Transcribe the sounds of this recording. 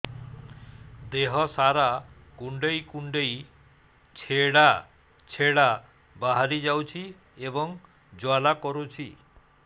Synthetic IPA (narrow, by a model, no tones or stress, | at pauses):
d̪eɦɔsaɾa | kuɳɖejkuɳɖej | t͡ʃʰeɽa | t͡ʃʰeɽa | baɦaɾid͡ʒawt͡ʃʰi | ebɔŋ | d͡ʒwalakɔɾut͡ʃʰi